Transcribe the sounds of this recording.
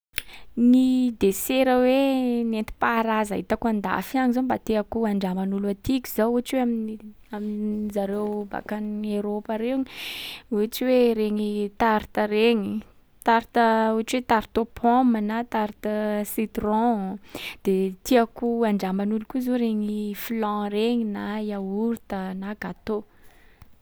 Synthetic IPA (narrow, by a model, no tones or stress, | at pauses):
nid̪eseɾəwenent̪i̥paɾaza̰ɦit̪akuãnd̪a̰fiaɲizombat̪eakuaɳɖ͡ʐamanulat̪ikʲiz̥auaʈ͡ʂweamin | aminzaɾewba̰kanieɾopəɾeɲiuaʈ͡ʂiweɾeɲit̪aɾt̪əreɲi | t̪aɾit̪əuaʈ͡ʂiwet̪aɾit̪opʰɔ̃mənat̪aɾit̪əsit̪rɔ̃ | d̪̥et̪iakuaɳɖ͡ʐamanulukuzoɾeɲiflɑ̃ɾeɲinajauɾt̪ənaɡat̪o